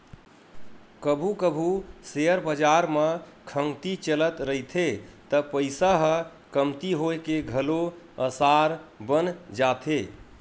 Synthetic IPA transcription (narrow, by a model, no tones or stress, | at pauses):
kəbʱukəbʱuseəɾbəd͡ʒaɾməkʰəŋt̪it͡ʃələt̪ɾəjt̪ʰet̪əpəɪsaɦə | kəmt̪iɦoekeɡʱəlo | əsaɾbənd͡ʒat̪ʰe